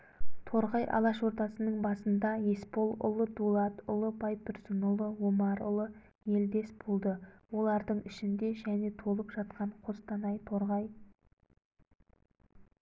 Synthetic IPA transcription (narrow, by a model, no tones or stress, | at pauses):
t̪ʰo̞ɾʁɑjʔɑ̰lˠɑʃwo̞ɾt̪ɑsənəɴbɑsənd̪ɑje̞spo̞lˠʊ̰lˠəd̪ulˠɑt̪ʊlˠəbɑjpʏɾsənʊlˠəwomɑɾʊ̰lˠə | je̞ld̪e̞sb̥olˠd̪əwo̞lˠɑɾd̪əɴʏʃɪnd̪e̞ʒæne̞t̪ʰo̞lˠəpʒɑt̪̚qɑɴqʰost̪ɑnɑjt̪ʰo̞ɾʁɑj